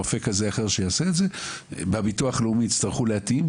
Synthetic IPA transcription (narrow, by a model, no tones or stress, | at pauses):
ofe̞kazeaχe̞ʁʃejaːseːtze̞babituaχleumiːt͡st̪aʁχuleatim